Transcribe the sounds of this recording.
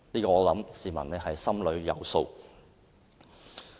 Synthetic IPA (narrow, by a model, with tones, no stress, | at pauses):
liː˥kɔː˧ɔː˨˧lɐ˨˥msiː˨mɐ̰˨˩nnɛː˥ɦɐ˨jsɐ˥mlɵ˨˧ɥjɐ̰˨˧wso˧w